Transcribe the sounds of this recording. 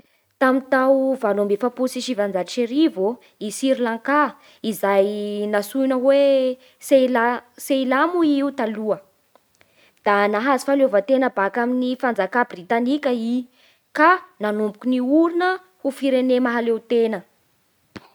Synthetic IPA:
t̪amint̪awvalumbefapusiʃivand͡zaiʃeɾivo | isiɾilaŋka | izajnasunəwe | selaseilamuiut̪aluə | d̪̥anaɦazi̥falovət̪enəbakaminifand͡zakabrit̪anikʲəi | kananumbukʲuniuɾinə | hufiɾenemaɦalet̪enə

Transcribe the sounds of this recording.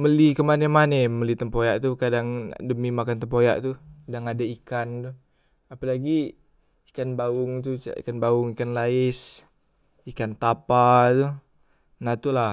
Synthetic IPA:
məlikəmanəmaneməlit̪əmpojaʔt̪ukadaŋdəmimakant̪̬əmpoja̰ʔt̪udaŋadaikant̪u | apalaɡi | ikanbaʊŋt̪ṵḭkanbaʊŋikanlaɪs | ikant̪apat̪u | nat̪ula

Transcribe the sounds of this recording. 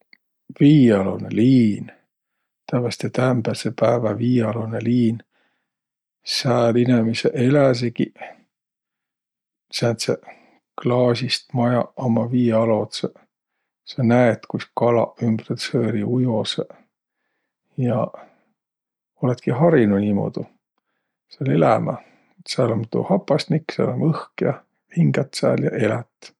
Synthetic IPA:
viːɑlo̰neliːn | t̪ævɑst̪et̪æmb̥ælsepæːvæviːɑloneliːn | sæːlinemiseʔelæs̬eki | sænt̪se | klɑːsist̪mɑjɑɑmɑviːɑlo̞t̪se | sɑnæet̪kuskɑlɑ̰ymb̥ret̪sɤːɾiujose | jɑ | olet̪kiɦɑɾinunʲiːmo̰d̪̥u | seɑle̞læmæ̰ | sælomt̪ṵhɑpːˑɑsnikːsæ̰lomɤhkjɑ | hiŋɡæt̪ːsæ̰ːljɑ̰ʔe̞læt̪ˑ

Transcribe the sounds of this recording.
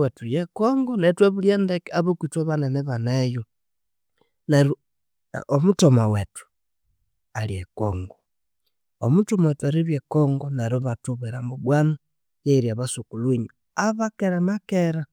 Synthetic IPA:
wetujekoŋɡonetweβuljendekeaβokwitweβaneneβanejo | neɾu | omutomawetu̥ | aliekoŋɡo | omutomaetuaɾiβjekoŋɡonaɾoβatuβeɾamboɡwana | jeiɾiaβasukulwiɲu | aβakeɾanakeɾa

